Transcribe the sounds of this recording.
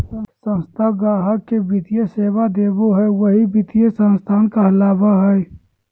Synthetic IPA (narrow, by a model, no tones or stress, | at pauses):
əsə̃nst̪ʰaɡaːɦəkkebɪt̪ijeseːʋad̪eːboɦɛʋəɦibɪt̪ijesə̃nst̪ʰaːnkaɐlaːbaɦɛː